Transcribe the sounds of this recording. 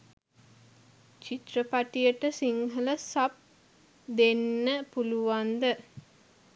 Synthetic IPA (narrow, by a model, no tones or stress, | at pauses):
t͡ʃit̪rəpaʈijəʈəsiŋɦələsap̚ | d̪enːəpuluʋand̪ə